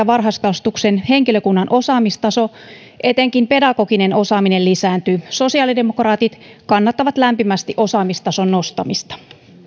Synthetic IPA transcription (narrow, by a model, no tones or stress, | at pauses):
ɑʋɑrɦɑskɑst̪uksenheŋkiløkunːɑnʔo̞sɑːmist̪ɑso̞ | ʔe̞t̪eŋkimpe̞dɑko̞kine̞no̞sɑːminellisæːnt̪yso̞siɑːlidemokrɑːt̪it̪kɑnːɑt̪ːɑʋɑt̪læmpimæst̪iʔo̞sɑːmist̪ɑsonno̞st̪ɑmist̪ɑ̥